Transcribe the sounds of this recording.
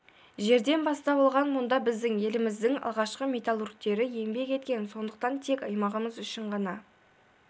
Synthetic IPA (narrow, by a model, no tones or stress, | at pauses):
ʒe̞ɾd̪e̞nbɑst̪ɑbolˠʁɑnmʊnd̪ɑbɪzd̪ɪŋe̞lɪmɪzd̪ɪŋɑ̰lˠʁɑʃqəmʲet̪alˠurk̚t̪e̞ɾɪjembe̞kʲe̞t̪kʲe̞nso̞nd̪əqt̪ɑnt̪ʰe̞kʲɑjmɑʁəməzʏʃɪɴʁɑnɑ